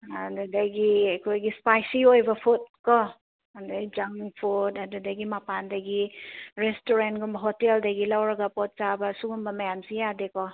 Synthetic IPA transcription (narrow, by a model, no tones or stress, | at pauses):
andudaɡiakʰojɡispajsiojbɐpʰut̚kɔ | andad͡ʒaŋpʰutadudaɡimapandɐɡiɾestoɾentɡumbɐɦoteldɐɡilawɾɐɡapɔt̚t͡ʃabɐsuɡumbɐmajamsijadekɔ